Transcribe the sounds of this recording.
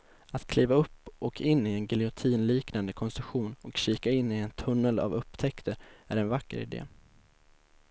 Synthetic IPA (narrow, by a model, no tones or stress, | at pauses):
at̪kʰliːvaɵpːʔɔkʰɪnːɪɛnɡɪlɪʊt̪ʰiːnliːknand̪əkʰɔnst̪ɾɵkɧuːnɔkʃiːkaɪnːɪɛnt̪ʰɵnːəla̰vɵpːt̪ʰɛkt̪ʰəɾæ̰ɾɛnvakːə̰ɾɪ̰d̪ḛː